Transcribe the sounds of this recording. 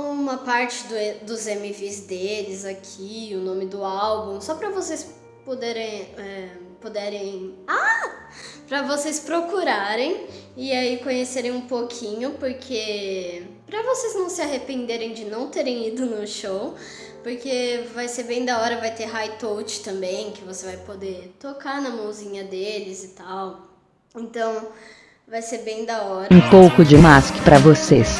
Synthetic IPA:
ũmɐpaɾt͡ʃɪd̪ʊd̪ʊzẽmivizd̪elɪzakʰiʊnõmɪd̪ʊawbũsɔpɾɐvosejs | pod̪ɛɾẽj̃ɛpod̪ɛɾẽj̃a | pɾɐvosejspɾokuɾaɾẽj̃ɪaikõɲeseɾẽj̃ũpokʰĩɲʊpoɾkʰe | pɾɐvosejznɐ̃w̃sɪaɦepẽnd̪eɾẽj̃d͡ʒɪnɐ̃w̃t̪eɾẽj̃id̪ʊnʊʃow | poɾkevajseɾbẽj̃d̪ɐɔɾɐvajt̪eɦajt̪owt͡ʃɪ̥t̪ɐ̃mbẽj̃kɪvosevajpod̪eɾt̪okaɾnɐmɐ̃w̃zĩɲɐd̪elɪzɪt̪aw | ẽnt̪ɐ̃w̃ | vajseɾbẽj̃d̪ɐɔɾɐũpowkʊd͡ʒɪmaskɪ̥pɾɐvoses

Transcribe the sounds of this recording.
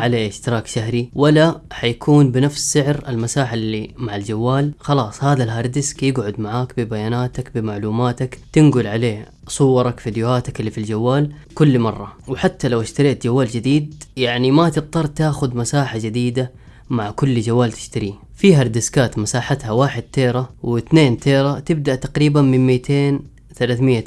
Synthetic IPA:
ʕaleːʔɪʃt̪ɪɾɑːkʃaɦɾiwalːaħajakʰuːnbɪnafssɪʕɾalmasaːħalːimaʕald͡ʒawːaːlxɑlɑːsˤhaːðalɦɑɾˤd̪ɪskjɪɡʕʊd̪maʕaːkbɪbajaːnaːt̪akbɪmaʕluːmaːt̪akt̪ɪnɡʊlʕaleː | sˤʊwːɑɾˤɑkfid̪jʊhaːt̪akɪlːiːfild͡ʒawːaːl | kʊlːmɑrˤːɑwħat̪ːalawʔɪʃt̪aɾiːt̪d͡ʒawːaːld͡ʒɪd̪iːd̪jaʕnimat̪ɨt̪̚ˤt̪ˤːɑrˤːt̪aːxʊd̪masaːħad͡ʒɪd̪iːd̪a | maʕkʊlːd͡ʒawːaːlt̪ɪ̥ʃt̪aɾi | fiɦɑɾˤd̪ɪskaːt̪masaːħat̪hawaːħɪd̪̚t̪eːɾˤawʔɪθneːnt̪ʰeːɾat̪ɪbd̪aʔt̪aqɾiːbanmɪnmiːt̪ʰeːn | θalaːθmɪjːa

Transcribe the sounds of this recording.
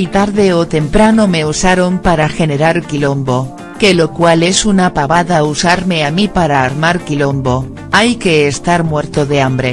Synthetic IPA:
it̪aɾðe̞ot̪e̞mpɾanome̞usaɾo̞mpaɾaxe̞ne̞ɾaɾkilo̞mbo̞ | ke̞lo̞kwale̞sunapaβaðausaɾme̞amipaɾaːɾmaɾkilo̞mbo̞ | ajke̞ːst̪aɾmwe̞ɾt̪o̞ðe̞ambɾe̞

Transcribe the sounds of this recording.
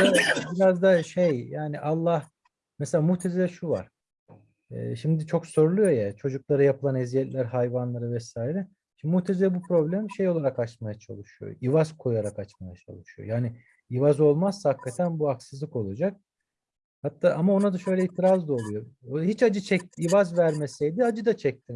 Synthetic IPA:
abiɾazd̪aʃejjaːniʔalˠːah | mɛselʲaːmuht̪ʰezeɛʃuva̰ɾ̥ | ɛ̰ːʃimd̪it͡ʃʰo̞kso̞ɾlˠujo̞jat͡ʃʰo̞d͡ʒuklˠaɾɯjapʰɯlˠanezijɛt̪lʲæɾhajvanlˠaɾɯvɛsaːiɾɛ | muht̪ʰezilʲɛbupʰɾo̞blʲæmʃe̞jo̞lˠaɾakat͡ʃmajat͡ʃʰa̰lˠɯʃɯjo̰ivaz̥kʰo̞jaɾakat͡ʃmajat͡ʃʰa̰lˠɯʃujo̰jaːnɪ | ivazo̞lˠmaz̥sahakːat̪ʰænbuaksɯzlˠɯko̞lˠad͡ʒak̚ | hat̪ʰːaːʔamao̞nad̪aʃø̞jlʲɛilt̪ʰiɾazd̪ˠolˠujo̞hit͡ʃad͡ʒɯt͡ʃʰɛc̚t̪ivazvæɾmesɛjd̪iad͡ʒɯd̪at͡ʃʰɛc̚t̪ʰin

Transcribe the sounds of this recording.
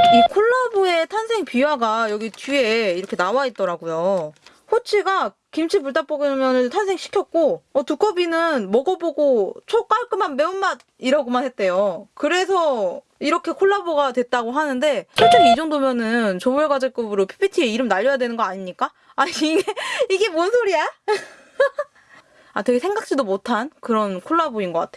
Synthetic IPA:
ikʰoɭːaboe̞tʰansʰe̞ŋpiwaɡajʌɡit͡ɕye̞iɾʌkʰe̞nawait̚t͈ʌɾaɡojo | ɸot͡ɕʰiɡa | kimt͡ɕʰipuɭt͈ap͈oɡɯmjʌnɯntʰansʰe̞ŋɕʰi̥kʰjʌt̚k͈oʌtuk͈ʌbinɯnmʌɡʌboɡot͡ɕʰok͈aɭk͈ɯmanme̞unmad | iɾʌɡomanhet̚t͈e̞jokɯɾe̞sʰʌ | iɾʌkʰe̞kʰoɭːaboɡadwe̞t̚t͈aɡoɦanɯnde̞t͡ɕot͡ɕ͈omid͡ʑoŋdomjʌnɯnt͡ɕomueɡwad͡ʑek͈ɯbɯɾopʰi̥pʰitʰie̞iɾɯmnaʎːʌjadwe̞nɯnɡʌaɲimɲik͈a | aiiɡeiɡe̞monsʰoɾia | ateɡe̞sʰe̞ŋɡak̚t͡ɕ͈idomotʰankɯɾʌnkʰoɭːaboinɡʌk͈a̰tʰeo

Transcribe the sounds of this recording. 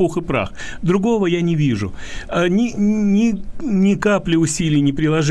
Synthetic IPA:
uxɨpɾa̰x | d̪ɾʊɡo̞vəjanʲɪvʲiʐʊ | nʲɪnʲɪnʲɪkaplʲɪʊsʲilʲɪjnʲɪpɾʲɪlˠɐʐ

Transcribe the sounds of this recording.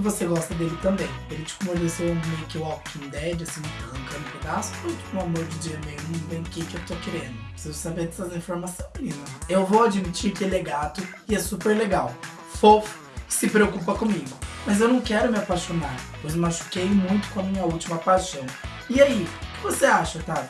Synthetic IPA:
ɪvoseɡɔst̪ɐd̪elɪt̪ɐ̃mbẽj̃elɪt͡ʃɪ̥kõmod̪esewmejʊkɪɔkĩd̪ɛd͡ʒɪasĩʊ̃plɐ̃ŋkɐ̃nʊ̃ped̪asʊ̥mũj̃t̪ʊ̥kõamoɾd͡ʒɪd͡ʒiɐmejʊnɐ̃vẽj̃d̪ʊkɪkɪewt̪okeɾẽnd̪ʊsezʊsabed̪ɛsɐzĩfoɾmasɐ̃w̃nĩnɐewvowad͡ʒimit͡ʃiɾkɪɛlɛɡat̪ʊ | ɪɛsupeɾleɡaw | fofʊ̥ | sɪpɾeokupɐkõmiɡʊmɐzewnɐ̃w̃kɛɾʊmɪapajʃonaɾpojzmaʃu̥kejmũj̃t̪ʊ̥kõɐmĩɲɐut͡ʃimɐpajʃɐ̃w̃ | ɪaikɪvoseaʃɐt̪a

